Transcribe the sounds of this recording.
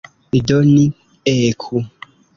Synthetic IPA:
idoni | eːkʰu

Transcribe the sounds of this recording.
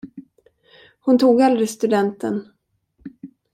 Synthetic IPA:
hʊnt̪ʰuːɡald̪ɾɪst̪ɵd̪ɛnt̪ə̰n

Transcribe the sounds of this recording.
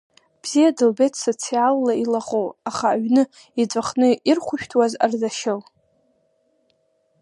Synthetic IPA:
b̥z̥ijadɨlbetʰsot͡sʰialːailaχowaχaːɥnɨ | id͡zʷʼaχnɨirχʷʊʃᶣtʰwazarzaʃal

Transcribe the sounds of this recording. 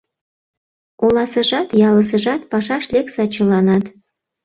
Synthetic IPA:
olɑsə̆ʒɑt̪jɑlə̆s̬ə̆ʒɑt̪pɑʃɑʃleksɑt͡ɕə̆lɑnɑt̪

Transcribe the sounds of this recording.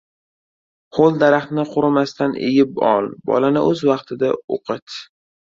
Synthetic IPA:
χolˠd̪aɾaχt̪nɪqʰʊɾɪmast̪ʰanʔḛjɪpɒ̰lˠbɒ̰lanɪʔɵzvɑqt̪ʰɪd̪ao̰qʰɨt̪

